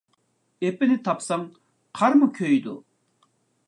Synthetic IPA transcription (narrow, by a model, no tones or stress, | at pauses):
epenit̪ʰɑpsaŋ | qʰɑɾmukʲʰøjd̪ṵ